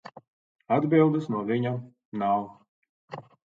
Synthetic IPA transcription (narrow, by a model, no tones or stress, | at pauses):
ad̪bilˠd̪ɨsnuɔvʲiɲa | naw